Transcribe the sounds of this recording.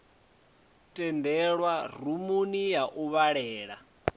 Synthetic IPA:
tʼɛndɛɺwarumunijaʔuβaɺɛːɺa̰

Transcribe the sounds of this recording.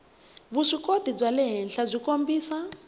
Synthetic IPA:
βuʂikodib͡ʐalɛɦɛnɬab͡ʐʷikombiːsa

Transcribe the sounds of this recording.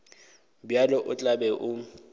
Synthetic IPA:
bjalɔʔʊt͡ɬʼabɛʔʊ

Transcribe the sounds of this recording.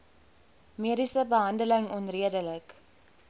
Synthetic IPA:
meəɾisəbəɦɐndələŋɔnriədələk

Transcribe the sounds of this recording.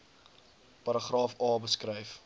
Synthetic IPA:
pɐɾəχrɑːfɑːbəskrɛjf

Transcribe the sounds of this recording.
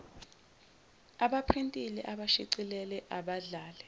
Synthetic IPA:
aɓapʰrintʼilɛʔaɓaʃiǀilɛlɛʔaɓaɮaːlɛ

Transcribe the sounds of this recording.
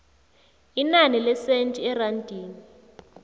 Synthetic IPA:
inanilɛsentʼiɛrandʱiːni

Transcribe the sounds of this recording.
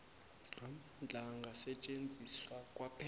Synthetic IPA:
am̩nd͡ɮʱaŋɡʱasɛt͡ʃʼend͡zʱiswakʼwapʰɛ

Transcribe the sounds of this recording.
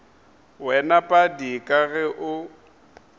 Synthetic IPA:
wɛnapʼadikʼaɣɛʔʊ

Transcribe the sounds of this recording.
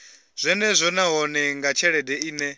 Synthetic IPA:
z̥ʷɛnɛzʷɔnaɦɔnɛŋɡat͡ʃʰɛɺɛdɛiːnɛ

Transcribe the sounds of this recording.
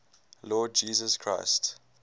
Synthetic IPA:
lɔːd̚d͡ʒiːzəskʰɹa̰ɪst

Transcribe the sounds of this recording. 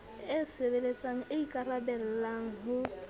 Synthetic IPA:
ɪsebelet͡sʼaŋ̩ɪikʼarabɛl̩laŋ̩ɦʊ

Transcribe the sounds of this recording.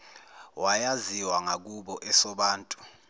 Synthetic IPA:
wʔajaziwaŋak̬uɓɔʔɛsɔɓaːntʼu̥

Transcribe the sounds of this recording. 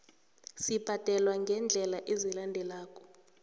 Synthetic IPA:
sib̥ʱatɛlwaŋɡʱɛnd͡ɮʱɛlaʔezilandʱɛlaːkʼɔ̥

